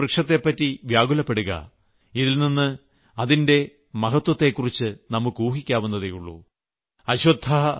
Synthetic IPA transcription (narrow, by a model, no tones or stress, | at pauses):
rikʂɐt̪ːe̞pːɐtːiʋjaːɡulɐpːe̞ɽuɣɐ̰ | iðilninːɨ | ɐðinde̞ | mɐɦɐt̪wɐt̪ːe̞ːkːurit͡ɕːɨnɐmːukːuːɦikʲːaːʋunːɐðejuɭːṵ | ɐɕɐd̪ʱːaɐ